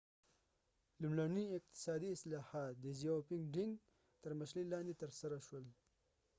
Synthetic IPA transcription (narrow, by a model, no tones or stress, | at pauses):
lumɽaniɪq̚t̪ɪ̥sɑd̪iːslɑhɑːt̪̚d̪əzijopɪŋɡɖɪŋ | t̪əɾməʃlilɑːnd̪et̪əɾsaɾaʃwəl